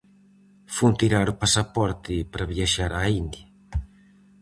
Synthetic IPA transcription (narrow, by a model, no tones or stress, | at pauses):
funt̪iɾaɾʊpasapɔɾt̪ɪpɾaβjaʃaɾaind̪ja